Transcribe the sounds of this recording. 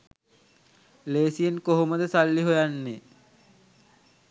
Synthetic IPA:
leːsijenkoɦoməd̪əsalːiɦojanːe

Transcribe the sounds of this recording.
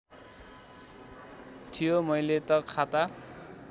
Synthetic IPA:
t̪ʰijomʌjlet̪ʌkʰat̪a

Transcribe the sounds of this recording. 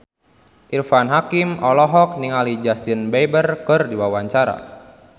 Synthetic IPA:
ʔirfanɦakimɔlɔɦɔk̚niŋalid͡ʒast̪inbejbərkɨrdiwawaɲt͡ʃaɾa̰

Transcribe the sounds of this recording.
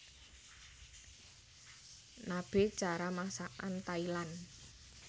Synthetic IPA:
nab̥e̤̥d͡ʒ̥aɾamasaʔant̪ailan

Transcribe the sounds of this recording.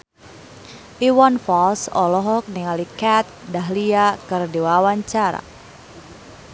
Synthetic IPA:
ʔiwɔnfɔlsɔ̰lɔɦɔk̚niŋalikɛt̪̚daɦliakɨrdiwawaɲt͡ʃaɾa̰

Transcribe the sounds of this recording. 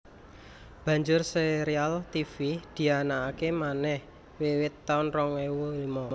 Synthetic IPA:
b̥ä̤ɲd͡ʒʊrseɾialt̪ifid̪̥i̤anaːkemanɛh | wewɪt̪ːaʊnrɔŋwewuimɔ

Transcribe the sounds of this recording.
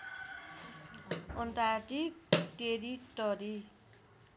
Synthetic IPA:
ɔnʈajʈikʈeɾiʈʌɾi

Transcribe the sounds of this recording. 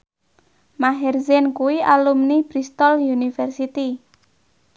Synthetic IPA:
maɦɛrzɛnkuwialumnib̥ɾist̪ɔljunifɛrsit̪i

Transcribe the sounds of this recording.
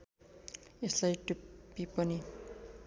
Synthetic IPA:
eslajʈupːipʌni

